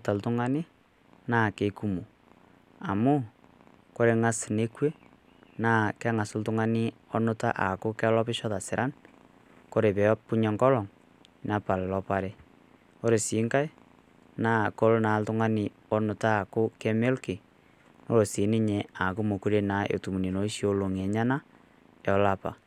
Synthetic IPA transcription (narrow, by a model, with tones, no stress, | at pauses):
ta˨ltu˦ŋa˦ni˦ | na˦˨ke˨ku˦mo˨ | a˨mu˦ | ko˦ɾe˨˦ŋa˦sne˦kwe˦ | na˦˨ke˦ŋa˨so˦ltu˦ŋa˦ni˦o˦no˦ta˦ʔa˨ko˦ka˦lɔ˦pɪ˦ʃɔ˦ða˨si˨ɾʔa˦n | ko˦ɾe˨βɛ˨˦pu˦ɲa˨ŋɡɔ˦lɔ˨ŋ | na˨pa˨le˨lɔ˦pa˦ɾe˦ | o˦ɾe˨si˨˦ŋka˦e˦ | na˨ko˦lo˦na˨tu˦ŋa˦ni˨ | o˦no˨taː˦˨ko˦ke˦me˦lki˨ | no˦ɾo˨si˨˦ni˦ɲe˨a˨ko˦mo˨ku˦ɾe˦na˨ʔo̰˨tu˨mu˨ni˨no˨i˦ʃi˦o˦˨˦lo˨ŋe˨ɲa˦na˦ | jɔ˦la˦pa̰˨